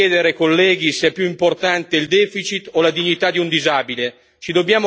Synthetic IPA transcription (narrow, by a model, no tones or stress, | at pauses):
ɛːd̪eɾekolːɛːɡiseɛpjuimport̪ant̪eild̪ɛːfit͡ʃit̪olad̪iɲːit̪ad̪iund̪izaːbile | t͡ʃid̪objaːmo